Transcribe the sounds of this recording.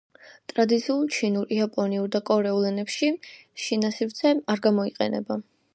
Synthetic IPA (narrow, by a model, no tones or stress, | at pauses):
t̪ʼɾad̪it̪sʰiulˠt͡ʃʰinuɾiapʼɔniuɾd̪akʼɔɾɛulɛnɛpʃiʃinasivt̪sʰɛaɾɡamɔiqʼɛ̰nɛ̰ba